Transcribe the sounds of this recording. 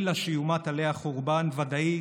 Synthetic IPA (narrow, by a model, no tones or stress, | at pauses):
laʃijumat̪alehaχoʁbanvad̪ai